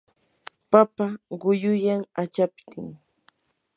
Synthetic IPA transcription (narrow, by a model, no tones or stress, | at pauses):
papaɢʊjʊjaŋat͡ʃapt̪ɪŋ